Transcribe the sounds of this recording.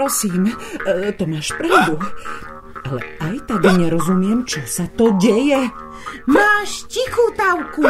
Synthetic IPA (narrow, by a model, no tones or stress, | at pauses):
ɾɔsiːmt̪ɔmaːʃpɾaʊd̪u | alɛ̰ajt̪ad̪iɲɛɾɔzumɪɛmt͡ʃɔsat̪ɔɟɛjɛ | maːʃcixuːt̪awku